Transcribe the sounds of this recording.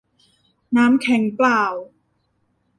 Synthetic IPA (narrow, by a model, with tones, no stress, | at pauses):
naː˦˥mkʰɛ˨˦ŋplaː˧˩w